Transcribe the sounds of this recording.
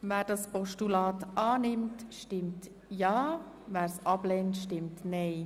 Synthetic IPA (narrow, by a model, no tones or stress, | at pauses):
væːɾdɑspɔʃtulɑːtʔɑːnɪmtʃtɪmt | jɑː | væːɾsɑblɛntʃtɪmtnɛɪ